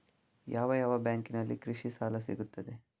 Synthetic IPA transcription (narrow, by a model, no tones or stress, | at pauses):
jaːʋɐjaːʋɐbjaːŋkinɐlːḭkɾɨʃisaːlɐsḭɡut̪ːɐd̪e̞